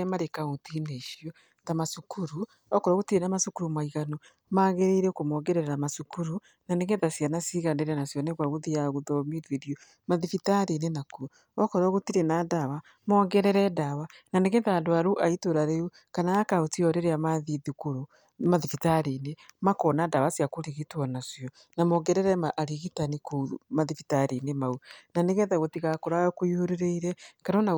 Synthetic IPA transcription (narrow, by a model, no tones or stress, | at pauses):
maɾekaotineʃjɔ | tamasukʰuɾu | ɔkɔɾɔɣotiɾenamasukuɾumaiɣanɔ | maːɣeɾeɾekomɔɣɛɾɛɾɛɾamasukuɾu | naneɣetasjanasiɣandeɾeanasjɔnɛɣwaɣuðiaɣuðɔmidweɾjo | maðifitaɾenenaku | ɔkɔɾɔɣotiɾenadawa | mɔɣɛɾɛɾɛdawananeɣeðadoaɾuʔaitoɾaɾeu | kanaakaotiɔɾeɾeamaðiðikuɾo | maðifitaɾinemakɔnadawasiakoɾiɣitwɔnasjɔ | namoɡɛɾɛɾɛmaʔɾiɣitanikomaðifitaɾinemaunaneɣeðaɣotiɣakoɾaɔkojoɾeɾeiɾɛkaɾona